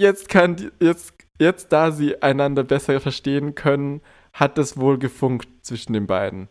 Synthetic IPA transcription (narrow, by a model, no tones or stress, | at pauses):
jɛt͡stkʰandijɛt͡st | jɛt͡st̚d̥aːziːʔaɪnandɐbɛsɐfɛɐʃteːənkʰœnən | hat̚d̥asv̥oːlɡəfʊŋktt͡sv̥ɪʃn̩deːnba̰ɪdn̩